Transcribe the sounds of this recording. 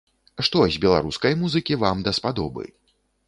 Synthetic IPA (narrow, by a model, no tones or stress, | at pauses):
ʂt̪ɔzʲbʲɛlˠa̰ɾuskɐjmuzɨkʲivamd̪ɐspad̪ɔ̰bɨ̰